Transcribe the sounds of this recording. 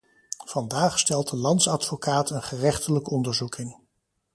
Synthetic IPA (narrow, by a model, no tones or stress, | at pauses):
v̥ɑndaːχstɛlˠtəlɑntsɑdfokaːtʰənχərɛχtələkəɔndəɹzukʰɪŋ